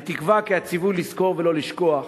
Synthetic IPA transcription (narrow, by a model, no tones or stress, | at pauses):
t̪ikvakiat͡sivulːisko̞ʁvelo̞liʃko̞aχ